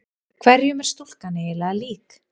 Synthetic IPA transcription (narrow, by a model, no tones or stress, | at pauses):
kʰvɛɾjʏmɛɾ̥st̪ul̥kanːɪɛlaaliːk